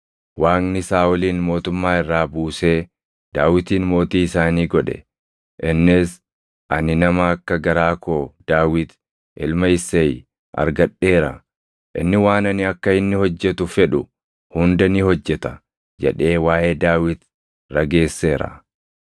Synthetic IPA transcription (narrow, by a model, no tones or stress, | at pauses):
waːnnɪsaːɔliːnmo̞ːt̪ʊmːaːɪrːaːbuːse̞ː | d̪aːwɪt̪iːnmo̞ːt̪iːɪsaːniːɡɔᶑɛ̰ | ʔɪnːɪs | ʔɐnɪnɐmɐːkːɐɡɐɾaːko̞ːd̪̥aːwɪt̪ | ʔɪlmɐɪsːɐj | ʔɐ̰ɾɡɐɗːe̞ːɾɐ̰ | ʔɪ̰nːɪwaːnɐnɪɐkːɐɪnːɪhɔd͡ʒːɛt̪ʊfɛᶑʊ | hʊnd̪ɐnɪhɔd͡ʒːɛt̪ɐ̥ | d͡ʒɛ̰ᶑe̞ːwaːʔe̞ːd̪aːwɪt̪ | ɾɐɡe̞ːsːe̞ːɾɐ̰